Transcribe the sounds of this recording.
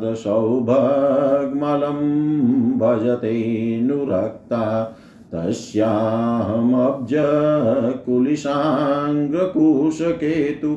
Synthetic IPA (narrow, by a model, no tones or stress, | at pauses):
d̪ɐʃɐwbʱɐɡmɐlɐm | bʱɐd͡ʒɐt̪enuɾɐk̚t̪aː | t̪ɐʃjaːɦɐmɐb̚d͡ʒɐ | kuliʃaːŋɡɐkuʃɐkeːt̪u